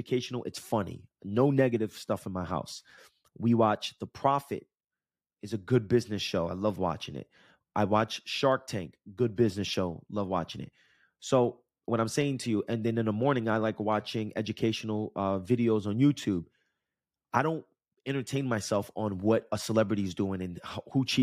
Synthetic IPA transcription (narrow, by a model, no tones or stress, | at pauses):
ɨkʰeɪʃn̩l̩ˠʔɨ̰tsfʌnḭnoʊnɛɡɨɾɨv̥stʌfn̩maɪha̰ʊs | wiwɑt͡ʃðəpʰɹ̥ɑfɨ̰ɾ̚ | ɨzɨɡʊd̚bɪznɨsʃoʊa̰ɪlʌvwɑ̰t͡ʃɪ̃ŋɪ̰t̚ | ʔaɪwɑt͡ʃʃɑɹk̚tʰæ̃ŋkɡ̥ʊd̚bɪznɨsʃoʊlʌvwɑ̰t͡ʃɪ̃ŋɨ̰t̚ | soʊ | wʌɾãɪ̃mseɪɪ̃ŋtʰɨjɨʔɨ̃nðɨ̃nɨ̃nðəmɔɹnɪ̃ŋaɪlaɪkwɑt͡ʃɪ̃ŋʔɛd͡ʒɨkʰeɪʃn̩l̩ˠʌvɪɾioʊzn̩jʉtʰʉb̥̚ | aɪɾõʊ̃nt̚ | ɛ̃ɾ̃ə˞tʰẽɪ̃nmaɪsɛlˠfn̩wʌɾəsəlɛbɹɨɾiɨzduɪ̃ŋɨ̃nhhut͡ʃʰi